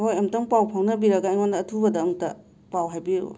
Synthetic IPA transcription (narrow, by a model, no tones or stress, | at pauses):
hojɐmtɐŋpawpʰawnɐbiɾɐɡaijŋwandɐːtʰubɐdɐːŋtɐ | pawɦajbiɾo̰